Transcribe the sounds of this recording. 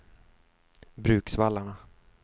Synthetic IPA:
bɾʉ̟ːksvalːaɳa

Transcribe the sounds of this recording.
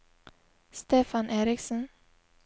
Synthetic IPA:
st̪eːfanʔeːɾɪksən

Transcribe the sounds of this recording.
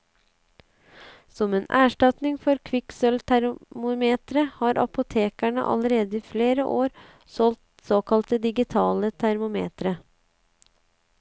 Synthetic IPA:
sɔmeːnʔæːʂʈɑt̪nɪŋfɔɾkʰʋɪksœlt̪ʰæɾmʊmeːt̪ɾəhɑːɾʔɑ̰pʊt̪ʰeːkæɳə̰ʔɑ̰ləɾeːd̪əiːfleːɾəʔoːɾ | sɔlt̪ | soːkɑlt̪əd̪ɪɡɪt̪ʰɑːlət̪ʰæɾmʊmḛːt̪ɾə

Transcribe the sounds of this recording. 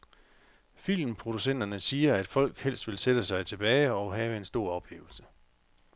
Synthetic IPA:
fil̰m̩pʰʁo̝d̥usen̰d̥ɐnəsiːɐæd̥fɒ̽l̰ɡ̥hel̰sd̥ʋe̝lsed̥əsɑ̈ɪt͡sʰe̝b̥ɛːɪɒʊɦɛːʋəe̝nsd̥o̝ɐ̰ɒ̽b̥le̝ːʊl̩sə̥

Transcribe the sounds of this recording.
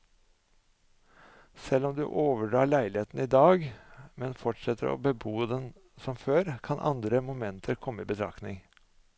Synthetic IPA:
sɛlːɔmd̪ʉ̰ːʔoːʋəɖɑːɭæɪlɪheːt̪n̩iːd̪ɑːɡmɛnfɔʈʂɛt̪ʰəɾo̰ːbəbuːd̪ɛn | sɔmføːɾkʰɑnʔɑ̰nd̪ɾəmʊmɛnt̪ʰəɾkʰɔmːəiːbət̪ʰɾɑ̰knɪŋ

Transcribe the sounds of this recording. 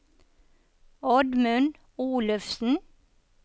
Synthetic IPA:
ɔɖ̪mʉn | uːlʉfsn̩

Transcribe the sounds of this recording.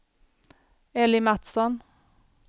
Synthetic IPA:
ɛlɪmæt̪sɔn

